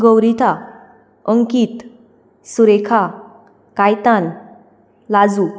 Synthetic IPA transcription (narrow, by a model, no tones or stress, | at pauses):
ɡəwɾit̪ʰa | əŋkit̪ | suɾekʰa | kajt̪an | lad͡zu